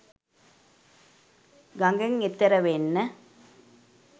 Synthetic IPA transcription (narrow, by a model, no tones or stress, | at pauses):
ɡɐŋɡeŋet̪ːeɾɐʋenːə